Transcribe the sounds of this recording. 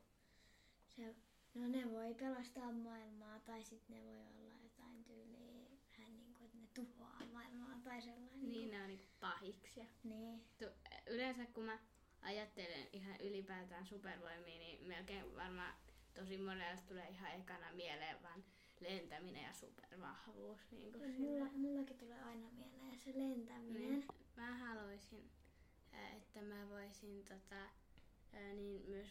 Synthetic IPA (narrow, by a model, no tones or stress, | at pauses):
se | noneʋoipelɑst̪ɑːmmɑilmɑːt̪ɑisit̪neʋoio̰lːɑ̰jot̪ɑint̪yːliːʋæhænniːŋkuet̪net̪uhoɑ̰ːmɑilmɑːt̪ɑiselːɑinniːneonniːŋkuppɑhiksjɑniːt̪uylensækkumæ | ʔɑjɑt̪ːelḛnihɑʔylipæːt̪æːnsuperʋoimiːnimelkeːʋɑrmɑ̰ː | t̪osimorelst̪uleːihɑekɑnɑmieleːʋʋɑn | lent̪æminḛjɑ̰sṵperʋɑ̰hʋuːsnḭːŋkusiulːɑmulːɑkit̪uleːɑinɑmielejɑselent̪æminienmæhɑloisin | ḛt̪ːæmæʋoisint̪ot̪ɑ | niːnmyøs